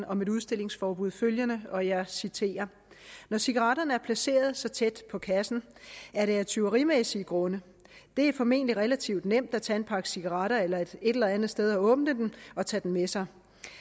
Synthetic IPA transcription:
ɒ̽me̝ɾuð̞ˠsd̥e̝le̝ŋsfɒːb̥uð̞̰ˠføljənəɒ̽jɑ̈sit͡sʰe̝̰ːɐ | nɒsiɡ̥ɐʁɑ̈ɾ̥ɐnəæɐpʰlæse̝̰ːɐð̞ˠsɒ̽t͡sʰed̥pʰɒ̽kʰæsn̩æɐɾeæɐt͡sʰyʊɐʁimesiːɡ̥ʁɔ̽nə | d̥e̝æɐfɒ̽me̝̰ːnəliʁelæt͡sʰiʊ̰d̥nem̰d̥æt͡sʰænpʰɑ̈ɡ̥əsiɡ̥ɑʁɑ̈ɾ̥ɐelɐe̝d̥e̝d̥elɐænð̩ˠsd̥eð̞ˠɒ̽ɔ̽ːb̥n̩d̥ed̥enɒ̽t͡sʰɛ̰ːd̥en̩mesɑ̈ɪ

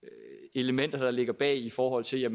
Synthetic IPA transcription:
e̝ləmen̰d̥ɐd̥ɑ̈le̝ɡ̥ɐb̥ɛ̰ːifɒːɦɒ̽l̰t͡sʰe̝ljæm

